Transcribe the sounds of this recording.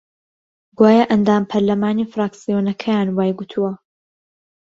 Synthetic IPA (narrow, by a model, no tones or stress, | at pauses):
ɡwaːjaʔɐnd̪aːmpʰɐɾlɐmaːnifɾaːksijonɐkʰɐjaːnwaːjɡut̪ʰuwɐ